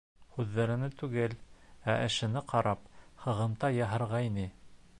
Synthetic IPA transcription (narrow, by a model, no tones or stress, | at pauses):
hʉðːæɾɘ̆nɘt̪ʉɡɘlæʔɘ̆ʃɘ̆nɘqɑɾɑphɤ̆ʁɤ̆mt̪ɑjɑɦɤ̆ɾʁɑinɘ